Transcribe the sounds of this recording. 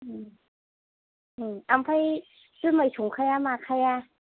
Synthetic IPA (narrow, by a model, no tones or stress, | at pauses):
ɯːm | ʔɯːʔampʰaj | sɯmajt̪ʰukʰajaːmaːkʰːaja